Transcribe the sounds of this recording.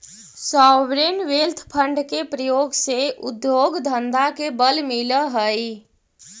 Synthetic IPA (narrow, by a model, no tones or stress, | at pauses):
sɔːʋɾenʋelt̪ʰpʰəɳɖkepɾəjoːɡseʔʊd̪joɡd̪ʱənd̪ʱakebəlmiləɦəj